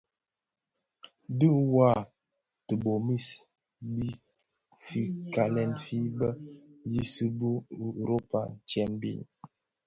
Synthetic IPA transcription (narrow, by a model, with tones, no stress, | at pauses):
dɨ˦wa˦˨ | tə˨bo˨mi˦s | bi˦ | fi˦ka˨lɛ˨nfi˦bə˦ji˦sɨ˦bu˦˨ɾo˦pa̰˨n̩˨t͡ʃjɛ˨mbḭ˦˨n